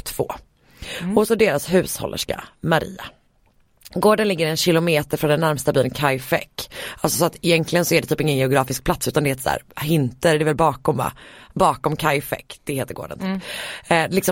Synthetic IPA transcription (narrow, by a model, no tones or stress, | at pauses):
t̪ʰv̥o̰ː | ɔsɔd̪eːɾasɦʉ̟ːshɔ̰lːʔə̰ʂka̰maɾḭːa̰ | ɡoːɖənlɪɡːəɾɛnɕɪlʊmeːt̪əɾfɾɔnd̪ɛnːæɾmst̪abyːlnkʰajfɛ̰kːʔalsɔsɔat̪ɪjɛnklɪɡənsɔæɖɛt̪ʰyːpɪŋːənjɛʊɡɾɑːfɪsk̚pʰlat̪sʉ̟t̪and̪ɛheːt̪əsæ̰ːɾhɪnt̪əɾd̪ɛvɛlbɑːkɔma̰bɑːkɔmkʰajfɛ̰kːd̪̥ɛheːt̪əɾɡo̰ːɖənt̪ʰː | lɪksɔ